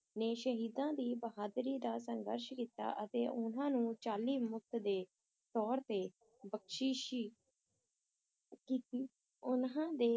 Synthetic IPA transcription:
neːʃəɦiːd̪ãːd̪iːbəɦaːd̪ɾiːd̪aːsəŋɡə̰ɾʃkiːt̪a̰ːʔət̪eːʔʊnãːnũːt͡ʃaːliːmʊk̚t̪d̪eː | t̪ɔːɽt̪eː | bəkʃiːʃ | kiːt̪iː | ʊnãːd̪eː

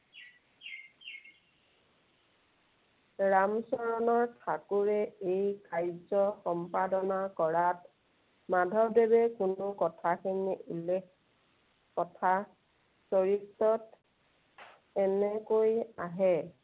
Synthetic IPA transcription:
ɹamsɔɹɔnɔɹtʰakuɹɛejkajzɔxɔmpadɔnakɔɹat | madʱɔɹdebɛkʊnʊkɔtʰakiniʔulek | kɔtʰa | soɹitːɔt | ɛnɛkojaɦɛ

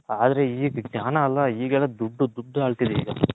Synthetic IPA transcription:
aːd̪ɐɾe̞iːɡɡnʲaːnɐːlːɐiːɡɛlːɐd̪uɖːud̪uɖːaːɭt̪id̪eḭːɡɐ

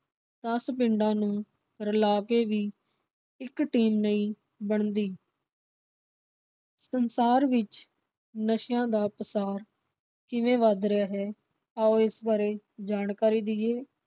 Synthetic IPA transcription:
t̪əspɪɳɖãːnũː | ɾəlaːkeːʋiː | ɪkʈiːmnəĩː | bəɳd̪iː | sənsaːɾʋɪt͡ʃ | nəʃjãːd̪aːpəsaːɾ | kɪʋẽːʋad̪ɾɪjaːɦɛː | aːoːɪsʋaːɾeːd͡ʒaːnkaːɾiːd̪ɪeː

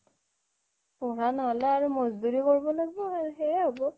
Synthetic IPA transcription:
pɔɹanɔɦɔlɛaɹumɔzduɹikoɹibɔlaɡibɔaɹuxeɹɛɦɔbɔ

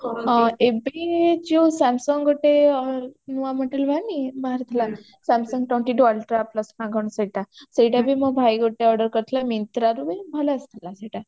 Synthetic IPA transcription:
ebid͡ʒosɛmsɔŋɡɡoʈeɔnuaməʈelbʱanibaɦaɾt̪ʰəla | samsɔŋɡ̚ʈɔɳʈiʈuəlʈɾapləsnãɡʱəɳ̃səjʈasejʈabʱiməbʱajɡoʈeɔɾɖəɾkəɾt̪ʰlamint̪ɾaɾuʋebʱəlast̪ʰəlasəʈa

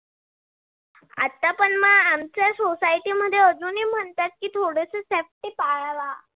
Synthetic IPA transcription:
a̰t̪ːapəɳmaamt͡ɕjasosajʈiːməd̪ʱːjeəd͡zuːniːm̤əɳt̪at̪̚kiːt̪ʰoɽesesefʈiːpaɭaʋa

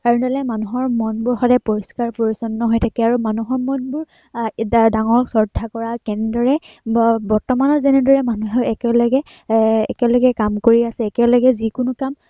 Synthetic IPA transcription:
kaɹɔndalɛmanuɦɔɹmɔnbʊɹxɔdɛpoɹiskaɹpoɹisɔnːɔɦojtʰakɛaɹumanuɦɔɹmɔnbʊɹ | daŋɔɹsɔɹdʱakɔɹakɛnɛdɔɹɛ | bɔɹtɔmanɔzɛnɛdɔɹɛmanuɦɛɛkɛlɔɡɛ | ɛkɛlɔɡɛkamkoɹiasɛːkɛlɔɡɛzikʊnʊkam

